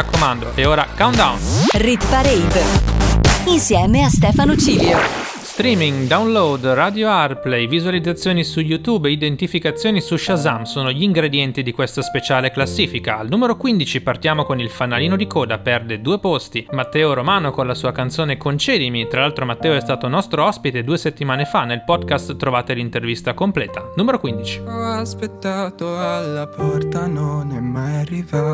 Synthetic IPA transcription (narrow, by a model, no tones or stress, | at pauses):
akːomand̪oʔeoːɾakawnd̪a̰wnrit̪paɾijd | insjɛːmeast̪ɛːfanot͡ʃiːljo | st̪ɾiːmiŋd̪awnlowd̪rad̪joarplɛjvizualid̪zat̪sːjoːnisuʎut̪uːbeid̪ent̪ifikat̪sːjoːnisuʃazamsoːnoʎiːŋɡɾed̪jɛnt̪id̪ikwest̪aspet͡ʃaːleklasːiːfikaːlnuːmeɾokwind̪it͡ʃipart̪jaːmokonilfanːaliːnod̪ikɔːd̪apɛrd̪ed̪uːepost̪imat̪ːɛːoɾomaːnokonlasuːakant̪soːnekont͡ʃɛːd̪imit̪ɾalalt̪ɾomat̪ːɛːoɛst̪aːt̪onɔst̪ɾoɔspit̪ed̪uːeset̪ːimaːnefanːelpɔd̪kast̪ːɾovaːt̪elint̪ervist̪akomplɛːt̪anuːmeɾokwind̪it͡ʃi̥ɔaspet̪ːat̪oalːapɔrt̪anonɛmːajarːiva